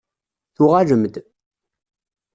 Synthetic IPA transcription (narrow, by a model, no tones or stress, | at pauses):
θʊʁaʒəmd̪